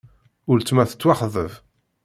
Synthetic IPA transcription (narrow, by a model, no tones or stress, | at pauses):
ʊɾt͡sːmæθə̥t͡sːwaχðəv